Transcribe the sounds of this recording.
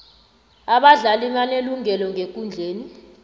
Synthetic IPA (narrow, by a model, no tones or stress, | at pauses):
aɓaɮaliɓaneluŋɛlɔŋek̬ʼund͡ɮʱeːni